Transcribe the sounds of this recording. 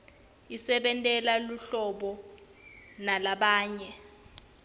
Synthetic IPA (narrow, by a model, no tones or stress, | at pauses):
isɛɓɛntʼɛlaluɬɔɓɔ | nalaɓaːɲɛ